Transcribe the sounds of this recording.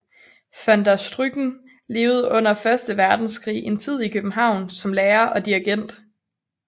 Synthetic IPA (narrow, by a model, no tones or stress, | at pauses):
fænd̥æsd̥ʁyɡ̥n̩ | le̝ːʊð̞̩ˠʔɔ̽n̰ɐfɶɐsd̥əʋæɐd̥n̩skʰʁḭːe̝nt͡sʰið̰ˠikʰøb̥m̩ɦɑ̈ʊ̰nsɒ̽mleːɐʔɒ̽d̥iɐɡ̥en̰d̥